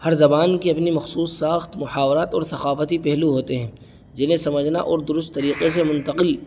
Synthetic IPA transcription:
hɐɾzɐbaːnkeɐpnimɐxsuːsːaːxt̪mʊħaːʋɾaːt̪ɔːɾsɐqaːfət̪ipɛɦluɦoːt̪eɦɛ̃ː | d͡ʒɪnẽsɐməd͡ʒʱna̰ʔɔːɾd̪ʊɾʊst̪ːɐɾiːqes̬emʊ̃nt̪əqɪl

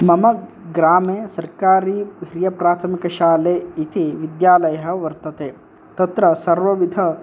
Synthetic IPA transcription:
mɐmɐ | ɡɾaːmeːsɐɾkaːɾiːɦɾijɐpɾaːt̪ʰɐmikɐʃaːleːit̪iʋid̪jaːlɐjɐɦɐ̆ʋɐɾt̪ɐt̪eː | t̪ɐt̪ɾɐsɐɾʋɐʋid̪ʱɐ

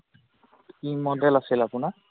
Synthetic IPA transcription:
kimɔdɛlasilapʊna

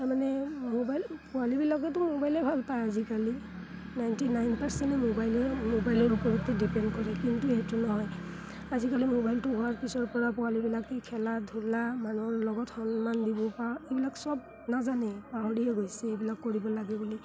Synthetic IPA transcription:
taɹmanɛmobajlpɔalibilakɛt̬ʊmobajlɛbʱalpajazikali | najntinajnpaɹsɛntɛmobajlɛmobajlɔɹupɔɹit̪ːidipɛndkɔɹɛkintuɛtunɔɦɔj | azikalimobajltʊbʱɔaɹkisɔɹpɔɹapɔwalibilakikʰɛladʱulamanuɔɹlɔɡɔtxɔnmandibɔpaebilaksɔb̚ | nazanɛbaɦɔɹiɛɡojsɛejbilakːoɹibɔlaɡɛbuli

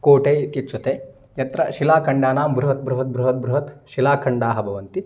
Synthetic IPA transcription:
koːʈeːit̪jɐt͡ʃut̪eː | jɐt̪ɾɐ̰ʃilaːkʰɐɳɖaːnaːmbɾuɦɐt̪̚bɾuɦɐt̪̚bɾuɦɐt̪̚bɾuɦɐt̪ʃilaːkʰɐɳɖaːɦɐbʱɐʋɐnt̪i

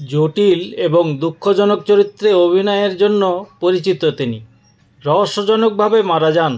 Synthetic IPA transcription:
d͡ʑoʈileboŋd̪ukʰːod͡ʑɔnokt͡ɕoɾit̪ːɾeobʱinɔeeɾd͡ʑonːopoɾit͡ɕit̪ot̪ini | ɾɔɦoʃːod͡ʑɔnok̚bʱabemaɾad͡ʑan

